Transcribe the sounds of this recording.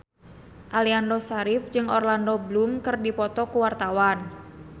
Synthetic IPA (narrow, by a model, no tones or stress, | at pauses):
ʔaliandosaɾifd͡ʒɨŋɔrlandɔblumkɨrdipɔt̪ɔkuwart̪awan